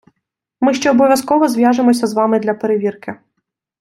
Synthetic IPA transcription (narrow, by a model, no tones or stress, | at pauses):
mɪʃt͡ʃɔːbɔʋʲjɐskɔʋɔzʲʋʲjaʒɪmɔsʲɐzʋɑmɪd̪lʲɐpeɾeʋʲirkɪ